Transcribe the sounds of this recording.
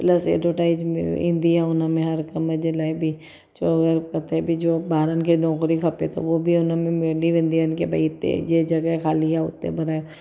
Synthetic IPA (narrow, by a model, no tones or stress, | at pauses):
plɐsḛːɖoːʈaːɪd͡ʒmḛɪ̰̃nd̪ijaʊnãmẽɦɐɾkɐmɐd͡ʒelaebʱi | d͡ʒoɐɡəɾpɐt̪ebʱid͡ʒoːbaːɾənkenɔːkɾikʰɐpet̪ʰo̰ʋobʱiʊnãmẽmeːliʋɪ̃nd̪ijankebɐit̪ːḛjed͡ʒɐɡəkʰaːlijaʊ̰t̪ːḛbɐɾaːje